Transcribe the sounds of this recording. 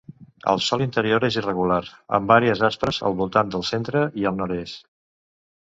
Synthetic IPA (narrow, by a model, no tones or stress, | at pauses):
ə̰lˠsɔlint̪əɾioɾezirəɣulaɾə̰mbaɾiəzaspɾəzə̰lˠβulˠt̪and̪əlˠsent̪ɾəiəlˠnɔɾest̪